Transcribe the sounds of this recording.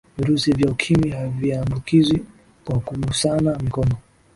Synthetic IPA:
viɾusivjaukʰimiɦaviambukizwi | kwakuɓusanamikɔnɔ

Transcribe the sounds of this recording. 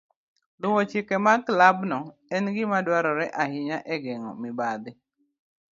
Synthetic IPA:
lʊŋot͡ʃɪkɛmaklabnɔɛnɡɪmadwaɾɔɾɛʔaɦɪɲaʔɛɡɛŋɔ̰mɪbad̪ɪ

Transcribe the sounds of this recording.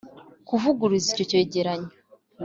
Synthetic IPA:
kuvuɡuɾizico̞ce̞ːɟeɾaɲo

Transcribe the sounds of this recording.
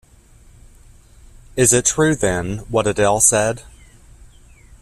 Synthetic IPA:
ɪzɪtʰɹ̥ʉːðə̃nwʌɒɾədɛlˠsɛd̥

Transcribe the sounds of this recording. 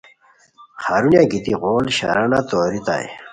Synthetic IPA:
xhaːɾunjaɡit̪iʁoːlɕa̰ɾanat̪oːɾit̪a̰j̰

